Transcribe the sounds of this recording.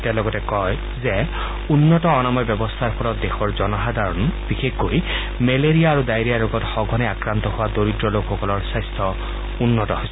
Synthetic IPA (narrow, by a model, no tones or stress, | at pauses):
talɔɡɔtɛkɔj | zɛ | unːɔtɔːnamɔjbjɔbɔst̪ʰaɹpʰɔɾɔtdexɔɹzɔnɔɦad̪ʱaɹɔnbixekɡoj | meleɹijaːɹudajɹijaɹoɡɔtxɔɡʱɔnɛakɹant̪ɔɦʊwadoɹidɹɔlokʰxɔkɔlɔɹsajstʰɔ | unːɔtɔɦojs